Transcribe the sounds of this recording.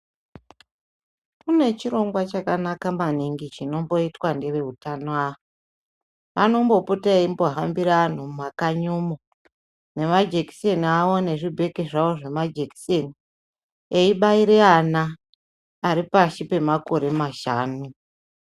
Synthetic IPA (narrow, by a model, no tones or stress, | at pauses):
kune̞t͡ʃiɾo̞ŋɡwat͡ʃakanakamaniŋɡit͡ʃino̞mbo̞itwande̞ʋe̞utanoaʋo | ʋano̞mbo̞putaeimbo̞ɦambiɾaan̤umakaɲumo | ne̞mad͡ʒeki̥seniaʋo̞ne̞ʐibʱe̞keʐaoʐe̞mad͡ʒeki̥seni | eiɓaiɾe̞anaː | ɾipaʃipe̞mako̞ɾe̞maʃaːnu